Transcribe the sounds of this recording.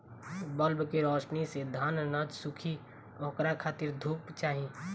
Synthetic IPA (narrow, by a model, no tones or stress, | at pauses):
bəlbkeɾɔːʃnised̪ʱaːnnəd͡ʒsʊkʰi | okɾakʰaːt̪ɪɾd̪ʱuːpt͡ʃaːɦĩ